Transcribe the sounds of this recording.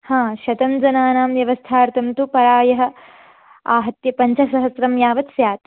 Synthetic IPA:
hãːʃɐt̪ɐmd͡ʒɐnaːnaːmʋjɐʋɐst̪ʰaːɾt̪ʰɐmt̪upɐɾaːjɐɦɐ̆ | aːɦɐt̪jɐpɐɲt͡ʃʰɐsɐɦɐsɾɐmjaːʋɐt̪sjaːt̪

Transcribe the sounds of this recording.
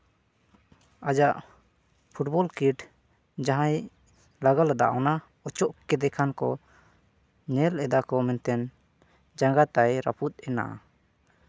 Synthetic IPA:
ad͡ʒaʔ | pʰuʈbɔlkiʈ | d͡ʒãɦãj | laɡalad̪a̰ʔɔna | ɔt͡ʃɔʔkɛd̪ɛkʰankɔ | ɲɛlɛd̪akɔmɛnt̪ɛn | d͡ʒaŋɡat̪ajɾa̰put̪̚ɛna̰ʔ

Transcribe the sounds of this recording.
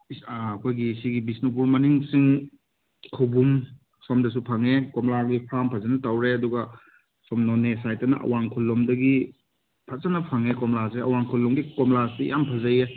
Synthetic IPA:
ɐkʰojɡisiɡibisnup̬uɾmɐniŋsiŋ | kʰɐwbum | somdɐs̬upʰaŋekomlaɡipʰampʰɐzɐnɐtawɾeɐduɡɐ | somnonesajtɐnɐ̰ʔɐ̰waŋkʰulːomdɐɡi | pʰɐzɐnɐpʰaŋekɔmlaseɐwaŋkʰulːɔmɡikɔmlasḭja̰mpʰɐzɐje

